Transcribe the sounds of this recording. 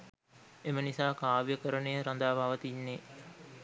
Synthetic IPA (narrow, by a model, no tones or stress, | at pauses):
emənisaːkaːʋjəkəɾənəjəɾand̪aːbʱaʋət̪inːe